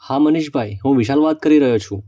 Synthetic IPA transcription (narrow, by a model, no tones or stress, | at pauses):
haməniʃbʱajɦũʋiʃalʋat̪̚kəɾiɾəɦjot͡ʃʰṵ̃